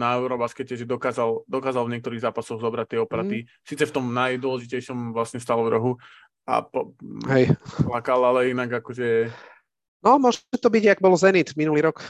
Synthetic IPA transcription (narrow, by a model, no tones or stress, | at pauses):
naɛʊɾɔbaskɛcɛʒɛd̪ɔkaːzald̪ɔkaːzalvɲɪɛkt̪ɔɾiːɣzaːpasɔɣzɔbɾat̚t̪ɪɛɔpɛɾat̪i | siːt͡sɛft̪ɔmnajd̪ʊɔlɛʒicɛjʃɔmʋlasɲɛst̪alɔvd̪ɾɔɦu | a̰pɔɦɛjplakalalɛinaɡakɔʒɛ | nɔmʊɔʒɛt̪ɔbiɟaɡbɔlzɛnit̪minuliːɾɔk